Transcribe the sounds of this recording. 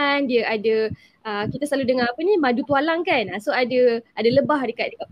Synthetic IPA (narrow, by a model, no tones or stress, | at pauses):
ndiəʔadə | əkit̪əsəlaludəŋãnapənĩmãdut̪ualaŋkanasoadəʔadaləbaɦaɾikaʔ̚dəkaʔ